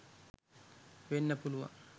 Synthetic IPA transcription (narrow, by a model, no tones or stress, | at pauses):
ʋenːɐpuluʋɐ̰